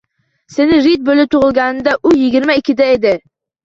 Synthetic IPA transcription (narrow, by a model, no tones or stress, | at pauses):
senɪɾɪt̪̚bolɪp̚t̪ʰʊʁɨlˠɡʲanɪnd̪aʔʊjɪɡʲɪɾmaɪkʲʰːɪd̪aed̪ɪ